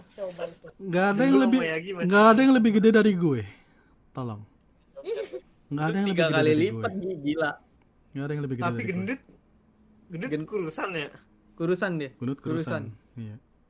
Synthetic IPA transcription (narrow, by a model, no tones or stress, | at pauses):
abat̪ŋɡaːdajaŋləbɪjaɡimaŋɡaːdajaŋləbɪhɡədedaɾiɡuɛ | t̪alɔ̰ŋ | ŋɡaːdajaŋləɡɪakəkdalilipat̪̚ɡibilaʔ | ŋɡaːdajaŋləbɪhɡəadiɡəndʊt̪̚ | ɡənɪɡənkuɾusanɲa | kuɾusandikɡ̥unʊt̪̚kuuɾusanija